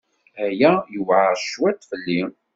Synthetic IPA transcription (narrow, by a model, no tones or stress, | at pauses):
æjæjəwʕəɾʃwæt̪fəlːi